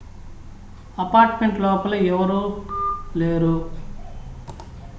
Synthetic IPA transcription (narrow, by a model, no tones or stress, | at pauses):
ɐpaːɾʈmeɳʈlɔːpɐlɐɛʋɐɾuːleːɾu